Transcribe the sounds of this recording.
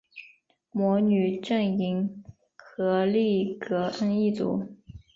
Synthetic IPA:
mwɔ˧˥ny˨˩ʈ͡ʂə˥˩ŋi˧˥ŋ | kɤ˧˥li˥˩kɤ˧˥ʔa˥ni˥˩t͡sṵ˨˧˥

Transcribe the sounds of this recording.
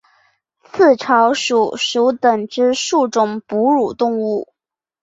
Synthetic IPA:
t͡sʰɹ̩˥˩ʈ͡ʂʰɑ˧˥ʊʂu˨˩˦ʂu˧˥ʊt̪ə˨˩ŋʈ͡ʂɻ̩˥ʂu˥˩ʈ͡ʂʊ˨˩ŋpu˧˥ɻu˨˩t̪ʊ˥˧ŋu˥˩

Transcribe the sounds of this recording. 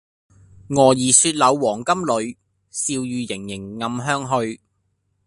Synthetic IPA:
ŋɔː˨˩jiː˨˩syː˧t̚lɐ˨˧wwɔː˨˩ŋkɐ˥mlɵ˨˧ɥ | siː˧wjyː˨˧jɪ˨˩ŋjɪ˨˩ŋŋɐ˧mɦœː˥ŋɦɵ˧ɥ

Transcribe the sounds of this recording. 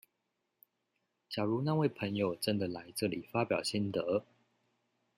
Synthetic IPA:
t͡ɕja˨˩ɻu˨˦na˥˧˨we˥˨ɪpʰə˧˥ŋjo˨ʊʈ͡ʂə˦˥nd̪ə˨la˧˦ɪʈ͡ʂɤ˥˨lḭ˨˩fa˦pjɑ˨˩ʊɕi˥nt̪ə˨˦

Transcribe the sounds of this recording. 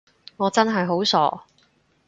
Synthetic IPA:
ŋɔː˨˧t͡sɐ˥nɦɐ˨jɦo˨˥wsɔ̰ː˨˥

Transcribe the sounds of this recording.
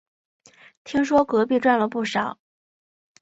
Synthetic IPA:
t̪ʰi˥ŋʂwɔ˥kɤ˧˥pi˥˧ʈ͡ʂwa˥˩nlə˩pu˥˩ʂɑ˨˩˦ʊ

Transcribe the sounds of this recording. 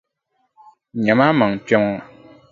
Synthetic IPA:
ɲɛ˨ma˦ma˨ŋ˨pɛ˦ŋa˦˨

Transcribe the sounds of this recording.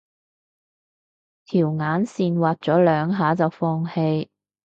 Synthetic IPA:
t̪ʰiː˨˩wŋaː˨˥nsiː˨˧nwaː˨t̚t͡sɔː˨˥lœː˨˧ŋɦaː˨˥t͡sɐ˨wfɔː˧ŋhe˧j

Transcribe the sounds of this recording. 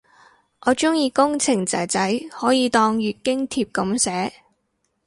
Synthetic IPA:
ʔɔː˨˧t͡ʃʊ˥ŋjiː˧kʊ˥ŋt͡sʰɪ˨˩ŋt͡sɐ˨˩t͡sɐ˨˥jhɔː˨˥jiː˨˧t̪ɔː˧ŋɥyː˨˧t̚kɪ˥ŋt̪ʰiː˧p̚kɐ˨˥msɛː˨˥

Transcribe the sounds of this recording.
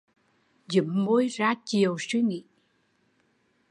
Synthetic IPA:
zɨ̰˨˩˦mːo˧˥jzaː˧t͡ɕi˨˩əwswi˧ŋḭ˧˨

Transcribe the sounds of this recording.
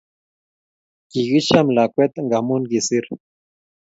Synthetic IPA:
ki˨ɡi˦ʃa˦mla˨kʷe˦t̪ŋɡamu˦nɡi˨si˦ɾ

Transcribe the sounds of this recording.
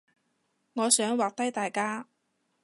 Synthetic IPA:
ŋɔː˨˧sœː˨˥ŋwaː˨k̚t̪ɐ˥jt̪aː˨jkaː˥

